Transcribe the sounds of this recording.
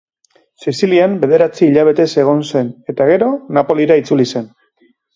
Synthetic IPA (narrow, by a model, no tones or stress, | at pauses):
sisiliambe̞ð̞e̞ɾat͡siːʎaβ̞e̞t̪e̞se̞ɣ̞o̞nse̞ne̞t̪aɣ̞e̞ɾo̞napo̞liɾait͡sulise̞n